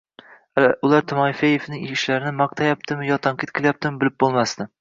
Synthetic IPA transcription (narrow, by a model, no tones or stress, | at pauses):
ʊlˠaɾt̪ʰʊmɒfajefnɪŋɪʃlaɾɪnɪmɑq̚t̪ʰajap̚t̪ʰɪmɪjɒt̪ʰaɴqʰɨt̪̚kʰʲɪlʲˠjap̚t̪ʰɪmɪbɪlɪp̚bolˠmast̪ɪ